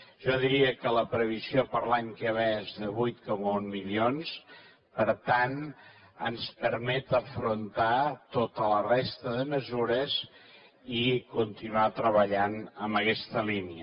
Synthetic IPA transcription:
ʒ̥ɔðiɾiəkələpɾəβ̞iziopəɾlaɲkeəβɛzðəβujt̪kɔməunmilions | pəɾt̪an | ənspəɾmɛt̪əfɾunt̪at̪ot̪ələrest̪əðəməzuɾəz | ikunt̪inuat̪ɾəβəʎanəmbəkɛst̪əliniə

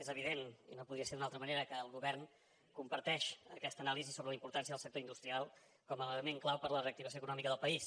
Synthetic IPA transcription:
ezəβ̞iðenḭnopuðɾiəseɾðunalˠt̪ɾəməneɾəkəːlˠɣuβɛrn | kumpəɾt̪ɛʃəkɛst̪ənalizisoβɾələimpuɾt̪ans̬iəðəlsəkt̪oind̪ust̪ɾialˠ | kɔmələɣəmeŋklawpəɾləreək̚t̪iβəsioəkunɔmikəðəlˠpəis

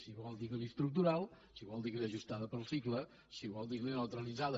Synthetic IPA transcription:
siβɔlˠd̪ikəlist̪ɾuk̚t̪uɾalˠ | siβɔlˠd̪ikliəʒust̪aðəpəlˠsiklə | siβɔlˠd̪iklenəwt̪ɾəlidd͡zaðə

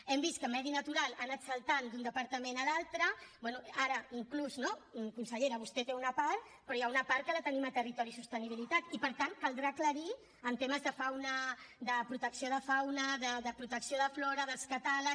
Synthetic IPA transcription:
ɛmbis̚kəmɛðinət̪uɾalˠanətsəlˠt̪and̪und̪əpəɾt̪əmenəlalˠt̪ɾəbwɛnuaɾəiŋkluznomkunsəʎeɾəβ̞ust̪ɛt̪eunəpaɾt̪ | pɾɔjaunəpaɾt̪̚kələt̪ənimət̪ərit̪ɔɾisust̪əniβ̞ilit̪at̪ipəɾt̪ankəlˠd̪ɾakləɾi | ənt̪eməzðəfawnəd̪əpɾut̪əksioð̞əfawnəðəðəpɾut̪əksioðəflɔɾəðəlskət̪alək

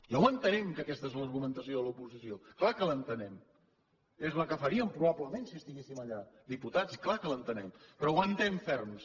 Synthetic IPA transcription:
jawənt̪ənɛmkəkɛst̪əezləɾɣumənt̪əsioəlupuzisioklakələnt̪ənɛm | ezləkəfəɾiəmpɾuβabləmensiəst̪iɣesiməʎad̪iput̪at͡sklakələnt̪ənɛmpɾɔwant̪ɛɱfɛrms

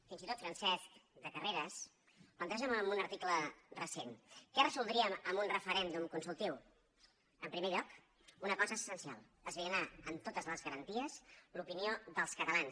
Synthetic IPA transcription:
finzit̪ot̪fɾənsɛskd̪əkəreɾəs | pənt̪ɾɛʒ̬əməmbunəɾt̪iklərəsenkɛrəzulˠd̪ɾiəməmbunrəfəɾɛnd̪umkunsulˠt̪iw | əmpɾimeʎɔk | unəkɔzəsənsia̰lˠ | əzβeənaəmt̪ot̪əzləzɣəɾənt̪iəzlupinioðəlˠskət̪əlans

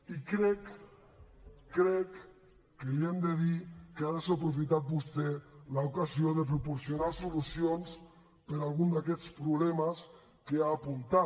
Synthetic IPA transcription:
ikɾɛk | ɾɛkː | eliend̪eðikeaðesopɾufit̪at̪̚bust̪elaukasioðep̬ɾupoɾsjonaɾsulusjons | peɾalɣund̪akɛspɾuβlɛmas | keaːpunt̪a

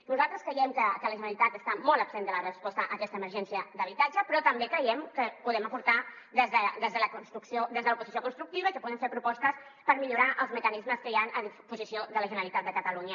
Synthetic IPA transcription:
nuzalˠt̪ɾəskɾəjɛmkəkələʒənəlit̪at̪əst̪amɔlˠəbsend̪ələrəspɔst̪əʔəkɛst̪əːməɾʒɛnsiəd̪əβit̪ad͡ʒəpɾɔt̪əmbekɾəjɛmkəpuðɛməpuɾt̪a | d̪əzðəd̪əzðələkunst̪ɾuksiod̪əzðələpuzisjokunst̪ɾuk̚t̪iβəikəpuðəɱfeɾpɾupɔst̪əs | pəɾmiʎuɾaʔəlˠzməkənizməskəjanəðipuzisioðələʒənəlit̪at̪̚d̪əkət̪əluɲə

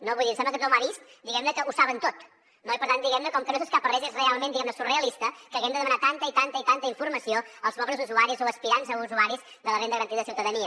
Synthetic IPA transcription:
noβujðinsɛmbləkət̪omaβist̪d̪iɣɛmnəkəʔusaβənt̪ot̪ | noipəɾt̪aniɣɛmnəkɔmkənos̬eskapərɛʒezrealˠmẽnd̪iɣɛmnəsureəlist̪əkəɣɛmd̪əðəmənat̪ant̪əit̪ant̪əit̪ant̪əiɱfuɾməsioəlˠzβɔβləzuzuaɾizoəspiɾanzəuzuaɾiz | ðələrend̪əɣəɾənt̪iððəsiuwt̪əðəniə

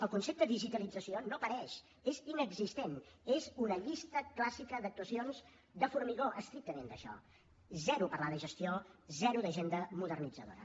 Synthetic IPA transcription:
əlˠkunsep̚t̪əðiʒit̪əlid͡zəsionopəɾɛʃ | ezinəɡzist̪enezunəʎist̪əklasikəd̪ək̚t̪uəsionz | d̪əfuɾmiɣoʔəst̪ɾik̚t̪əmend̪əʃɔ̰ | zɛɾupəɾlaðəʒəst̪iozɛɾuðəʒend̪əmuðərnid͡zəðo̰ɾə̰

